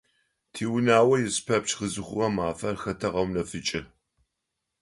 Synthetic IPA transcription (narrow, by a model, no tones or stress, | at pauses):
tʰiːwʊnaːwɐjɪspʰɐp̚t͡ʃxəzɨχʷʊmɐmaːfɐrxɐtʰɐʁɐwnɐfɨt͡ʃʼɪ